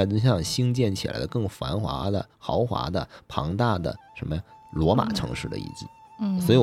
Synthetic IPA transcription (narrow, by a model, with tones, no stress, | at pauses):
t̪̬o˥˧˥ɕ̬jɑ˥˧ŋɕi˥ŋt͡ɕjɛ˥˩nt͡ɕʰi˨˩la̰˧˥ɪd̪ə˧kɤ˥˩ŋfa˧˥nxwa̰˧˥d̪ə̰˧xɑ˧˥ʊxwa̰˧˥d̪ə̰˧˨pʰɑ˧˥ŋt̪a˥˩d̪ə̰˩ʂə˧˥nmə˧jɑ˥˩ | lwɔ˧˥ma̰˨˩ʈ͡ʂʰɤ̰˧˥ŋʂɻ̩˥˩d̪ə̰˧ḭ˥˧˩t͡ɕḭ˥˩ | swɔ˧˥i˨˩